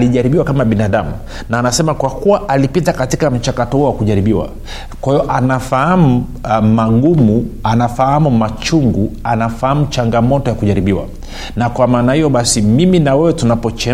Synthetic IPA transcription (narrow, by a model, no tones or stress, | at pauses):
liʄaɾiɓiwakamaɓinaɗamu | naːnasɛmakwakuwaʔalipitakatikam̩t͡ʃakatɔhuɔwakuʄaɾiɓiwa̰ | kwahijɔʔanafahamu | maɠumuanafahamumat͡ʃuŋɡuanafahamut͡ʃaŋɡamɔtɔjakuʄaɾiɓiwa̰ | nakwamaːnahijɔɓasimiminawɛwɛtunapɔt͡ʃɛ